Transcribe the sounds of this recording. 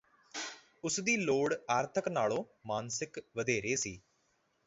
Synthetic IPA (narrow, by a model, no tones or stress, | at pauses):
ʊsd̪iːloːɽaːɾt̪ʰəknaːlõːmaːnsɪkʋəd̪ʱeːɾeːsiː